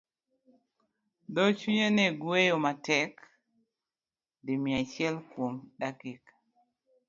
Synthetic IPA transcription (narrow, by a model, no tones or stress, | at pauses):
dɔt͡ʃuɲeneɡwejomatɛk | dimiat͡ʃjɛlkwomɗakik